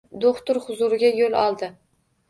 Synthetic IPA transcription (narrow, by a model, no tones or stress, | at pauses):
d̪oχt̪ʊɾhʊzʊɾɪɡʲajolˠɒ̰lˠd̪ɪ